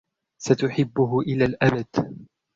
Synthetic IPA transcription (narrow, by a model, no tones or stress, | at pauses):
sat̪ʊħɪbːʊɦʊʔɪlaːlʔabad̪̥